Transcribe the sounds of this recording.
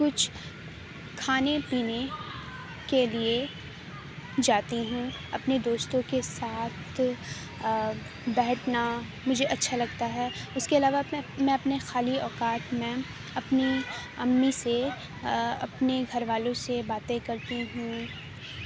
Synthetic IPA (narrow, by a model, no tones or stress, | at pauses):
kʊt͡ʃʰ | kʰaːnepiːne | kelie | d͡ʒaːt̪iɦũ | ɐpned̪oːst̪õkesaːt̪ʰ | bɛːʈʰna | mʊd͡ʒʱeʔɐtːʃʰalɐɡ̚t̪aɦɛːʊskeɐlaːʋamɛ̃ɐpnexaːliɔːkaːt̪mɛ̃ | ɐpniɐmːise | ɐ̰pneɡʱɐɾʋaːlõsebaːt̪ẽkɐɾt̪iɦũ